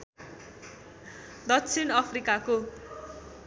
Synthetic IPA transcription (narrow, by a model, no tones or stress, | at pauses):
d̪ʌk̚t͡sʰinʌpʰrikako